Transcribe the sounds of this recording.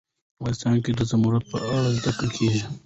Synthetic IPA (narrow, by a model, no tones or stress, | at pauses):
wɑnɪst̪ɑnked̪əzamuɾat̪̚pəaɽald̪akəlkʰeʒi